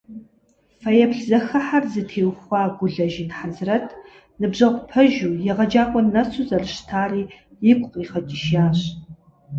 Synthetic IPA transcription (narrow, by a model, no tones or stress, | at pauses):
fɐjɛpɬzɐxɐħarzɨtʰeːwxʷɑːɡʷʊɮɐʒinħazɨrɐtʰ | nɨbʑɐʁʷpʰɐʒuːjɛʁɐd͡ʒaːqʷʼɔnɐsuzɐrɨɕtʰaːriː | jɪkʷʼqʼiːχɐtʼiʃjaːɕ